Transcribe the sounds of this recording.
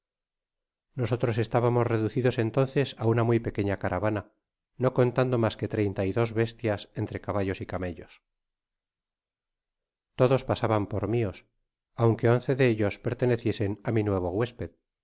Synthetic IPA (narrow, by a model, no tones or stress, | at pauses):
no̞so̞t̪ɾo̞se̞st̪aβamo̞zre̞ðuθiðo̞se̞nt̪o̞nθe̞saunamwuijpe̞keɲakaɾʔaβana | no̞ko̞nt̪and̪o̞maske̞t̪ɾe̞jnt̪aiðo̞zβe̞st̪jase̞nt̪ɾe̞kaβaʎo̞sikame̞ʎo̞s | t̪o̞ðo̞spasaβampoɾmio̞s | awŋkeo̞nθe̞ðeeʎo̞spe̞ɾt̪e̞ne̞θje̞se̞naminwe̞β̞o̞ɣwe̞spe̞ð